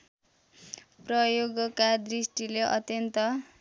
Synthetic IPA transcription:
prʌjoɡʌkad̪risʈileʔʌ̰t̪jʌnt̪ʌ

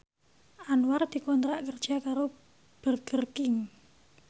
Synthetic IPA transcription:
ʔanward̪̥i̤kɔnt̪ɾaʔkərd̥ʒ̥a̤kaɾo | b̥ərɡ̥ərkɪŋ

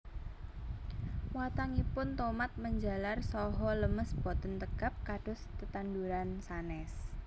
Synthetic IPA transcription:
wat̪aŋipʊnt̪omat̪̚məɲd͡ʒa̤larsɔɦɔləməsb̥ɔ̤t̪ənt̪əɡ̥a̤p̚kaɖ̥ʊ̤st̪ət̪anduɾansanɛs

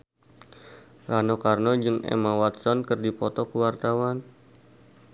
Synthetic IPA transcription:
ranokarnɔd͡ʒɨŋɛ̰mawat̪sɔnkɨrdipɔt̪ɔkəwart̪awan

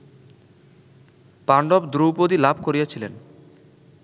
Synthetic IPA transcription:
paɳɖɔbd̪ɾuwpod̪ilabʱkoɾijat͡ɕʰilen

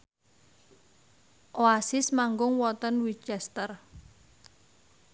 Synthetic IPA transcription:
ʔoasɪsmaŋɡʊŋwɔt̪ənwit͡ʃɛst̪ər

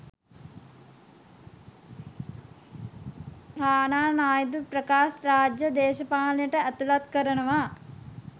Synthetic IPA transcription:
ɾaːnaːnaːjd̪uprɐkaːsɾaːd͡ʒjəd̪eːʃɐpaːlɐjəʈəæt̪ulat̪kəɾənəʋa

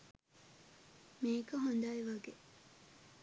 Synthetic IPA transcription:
miːkɐɦond̪aːiʋaɡe

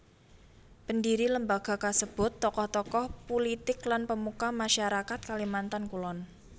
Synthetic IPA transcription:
pəndiɾiləmbaɡ̥a̤kasəb̥ʊ̤t̪ːɔkɔht̪ɔkɔhpulit̪ɪklanpəmukamaʃaɾakat̪̚kalimant̪ankulɔn

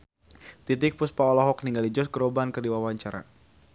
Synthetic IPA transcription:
t̪it̪̬ɪk̚puspaɔlɔɦɔk̚niŋɡalid͡ʒɔsɡəɾɔbankərdiwawaɲt͡ʃaɾa̰

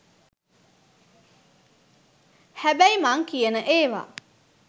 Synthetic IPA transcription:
hæbæimaŋkijənəʔeːʋa̰

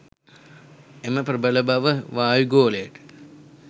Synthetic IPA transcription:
eməpɾəbələbaʋəʋaːjuɡoːlejəʈə̥

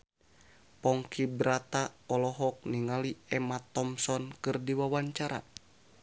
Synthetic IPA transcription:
pɔŋkibɾat̪aɔlɔɦɔk̚niŋaliɛmat̪ɔmsɔnkɨrdiwawaɲt͡ʃaɾa̰

